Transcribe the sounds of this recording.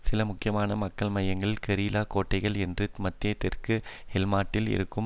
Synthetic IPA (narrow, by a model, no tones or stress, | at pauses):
sɪlɐmʊkːɪjɐmaːnɐmɐkːɐɭmɐjɐŋɡɐɭkɛɾiːlaːkoːʈːɐɪɣɐɭɛndrɯmɐt̪ːɪɐt̪ɪrkɯhɛlmaːʈːɪlɪ̰ɾɯkːɯm